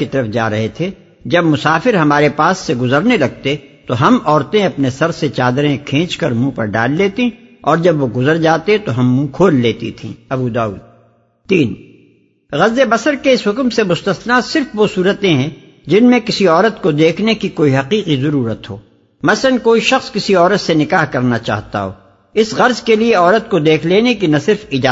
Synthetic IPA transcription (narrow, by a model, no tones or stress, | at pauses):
kit̪ɐɾəfd͡ʒa̰ːɾɐɦet̪ʰe | d͡ʒɐbmʊsaːfɪɾɦɐmaːɾepaːsːeɡʊzəɾnelɐɡ̚t̪et̪oɦɐmɔːɾt̪ẽɐpnesɐɾset͡ʃaːd̪ɾẽkʰẽːt͡ʃkɐɾmũpɐ̰ɾɖa̰ːlːeːt̪ĩɔːɾd͡ʒɐbʋoɡʊzəɾd͡ʒaːt̪et̪oɦɐmːũkʰoːlːeːt̪it̪ʰḭ̃ːɐbud̪aːṵːd̪̚ | t̪iːn | ɣɐzːebɐsəɾkeɪsɦʊkmsemʊst̪əsnasɪɾfʋosuːɾət̪ẽɦɛ̃ | d͡ʒɪnmẽkɪsiɔːɾət̪kod̪eːkʰnekikoːiɦɐqiːqizɐɾuːɾət̪ɦo̰ː | mɐsənkoːiʃɐxskɪsiɔːɾət̪senɪkaːɦkɐɾnat͡ʃa̰ːɦt̪a̰ɦo̰ː | ɪsɣɐɾzkelieɔːɾət̪kod̪eːkʰleːnekinɐsɪɾfɪd͡ʒaː